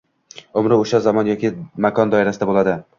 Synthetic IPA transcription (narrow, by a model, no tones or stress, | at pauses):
ʊmɾɪoʃazamɒnjɒkʲɪmakʰɒnd̪ɒɪɾasɪd̪abolˠad̪ɪ